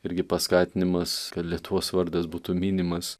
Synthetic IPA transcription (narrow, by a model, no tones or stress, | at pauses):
ɪɾʲɡʲɪpɐskɑːt̪ʲɪnʲɪmɐskɐt̪lʲiɛt̪ʊʋoːsʋɐɾd̪ɐsbuːt̪uːmʲiːnʲɪmɐs